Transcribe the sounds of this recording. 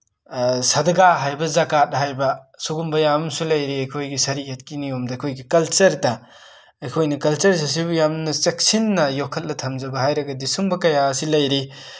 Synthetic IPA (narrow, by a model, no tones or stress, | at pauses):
sɐdɐɡaɦajbɐzɐkat̚hajbɐsuɡumbɐjamsulɐjɾiɐjkʰojɡisɐɾiet̚kiniomdɐɐjkʰojɡikɐlt͡ʃɐɾdɐ | ɐjkʰojnɐkɐlt͡ʃɐɾs̬ɐs̬ibjamnɐt͡ʃek̚sinːɐjokʰːɐt̚lɐtʰɐmzɐbɐhajɾɐɡɐdisumbɐkɐjasilɐjɾi